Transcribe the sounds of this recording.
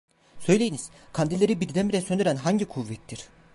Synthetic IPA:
sø̞jlʲe̞jiniz̥ | kʰand̪ilʲeɾibiɾd̪ænbiɾɛsøndeɾænɦaɲɟikʰuvːɛt̪ʰːiɾ̥

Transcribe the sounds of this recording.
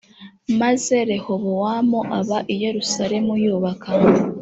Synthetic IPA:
maze̞ɾe̞ho̞βowamoʔaβaʔije̞ɾusaɾe̞mujuːβaka

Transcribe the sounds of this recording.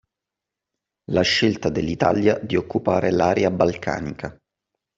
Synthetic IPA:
laʃːelt̪ad̪elːit̪a̰ljad̪iokːupaːɾelaːɾeabalkʰa̰ːnika

